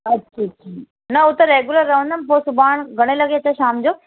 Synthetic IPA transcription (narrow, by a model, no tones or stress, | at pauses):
ɐtːt͡ʃʰat͡ʃʰi | nɐʊt̪ɐɾeːɡuləɾːɐʋə̃nd̪ənpoːsʊbaːɳ̃ɡʱɐɽ̃elɐɡeɐt͡ɕaʃaːmd͡ʑoː